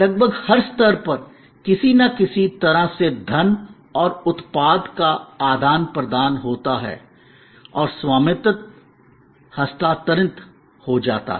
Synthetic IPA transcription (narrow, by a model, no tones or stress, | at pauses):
lɐɡ̚bʱəɡhɐɾst̪əɾpɐɾ | kɪsinakɪsit̪ɐɾased̪ʱɐn | ɔːɾʊt̪paːd̪kaaːd̪ʱaːnpɾɐd̪aːnɦoːt̪aɦɛ̰ː | ɔːɾswaːmɪt̪ət̪̚ | hɐst̪aːt̪əɾɪ̃nt̪ | hod͡ʒa̰ːt̪a̰ɦɛ